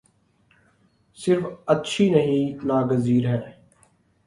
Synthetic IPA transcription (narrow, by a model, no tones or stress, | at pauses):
sɪɾfətːʃʰiːnəɦĩnaːɡəziːɾɦɛ̃ː